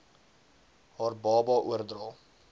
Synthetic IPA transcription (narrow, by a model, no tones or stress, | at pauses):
ɦɑːrbɑːbɑːʔuərdrɑːl